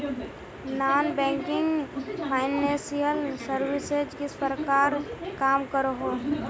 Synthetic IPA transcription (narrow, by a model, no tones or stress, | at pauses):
naːnbɛ̃ːŋkɪ̃ŋɡpʰaːɪnːeːsijəlsəɾwɪsed͡ʒkispəɾkaːɾkaːmkəɾoɦoː